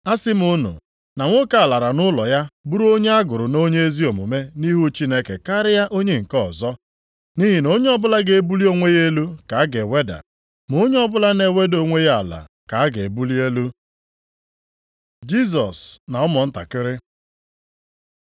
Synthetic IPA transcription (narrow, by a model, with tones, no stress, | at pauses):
a˦sɪ˦m˦ʊ˦nṵ˨ | na˨ŋʷo˦ka˦a˨la˨ɾa˨nʊ˦lɔ˨ja˦bu˦ɾo˦ɲe˦a˦ɡʊ˨ɾʊ˨no˦ɲe˦e˦zi˦o˨mṵ˨me˦ni˦ɦu˦t͡ʃi˦ne˦ke˨ka˦ɾɪ˦ja˦ʔo˦ɲe˦ŋ̩˨kɔ˦˨zɔ˦ | ni˦ɦi˨no˦ɲe˦ɔ˦bʊ˦la˦ɡe˨e˨bu˦li˦o˦ŋʷe˦je˦lu˦ka˨a˦ɡe˨we˦da̰˨ | m˨o˦ɲe˦ɔ˦bʊ˦la˦ne˨we˦do˦ŋʷe˦ja˨la̰˨ka˨a˦ɡe˨e˨bu˦li˦e˦lu˦ | d͡ʒi˦s̬ɔ˨sna˨ɔ˦mɔ˨n̩˦ta̰˨kɪ˦ɾɪ˦